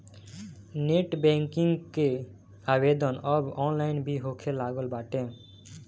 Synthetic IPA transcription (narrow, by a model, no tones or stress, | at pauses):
neʈbɛ̃ŋkɪŋɡke | aːbed̪ənəbɔːnlaɪnbʱiɦokʰelaːɡəlbaːʈẽ